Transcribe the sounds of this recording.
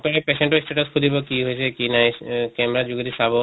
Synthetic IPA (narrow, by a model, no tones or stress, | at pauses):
pɔɾepeseɳʈɔisʈeʈɔskʰud̪ibɔkiɦojsʰekinajkɛmɾad͡ʒuɡid̪isabɔ